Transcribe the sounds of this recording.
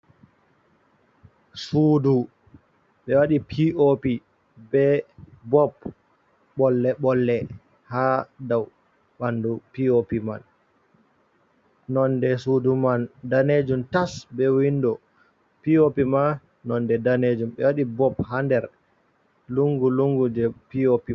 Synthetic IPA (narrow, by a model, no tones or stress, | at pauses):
sudu | ɓɛwaɗipʰiopi | bɛbɔp | ɓɔlːɛɓɔlːɛ | hadaw | ɓandupiopima̰n | nɔndɛsudumandaned͡ʒumtasbɛwindɔ | piopima | nɔndɛdaned͡ʒumɓɛwaɗibɔphandɛɾ | luŋɡuluŋɡud͡ʒɛpiopi